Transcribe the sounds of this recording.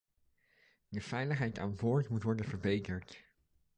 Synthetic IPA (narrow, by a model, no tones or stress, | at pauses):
dəfɛjləχɦɛjta̰ːnbʊːɹtmutʋɔɹdənvəɹbejtəɹt